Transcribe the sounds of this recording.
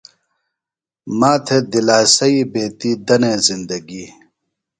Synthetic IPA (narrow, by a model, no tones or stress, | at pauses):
maːt̪ʰed̪ilaːsɐibeːt̪iːd̪ɐneːzind̪ɐɡi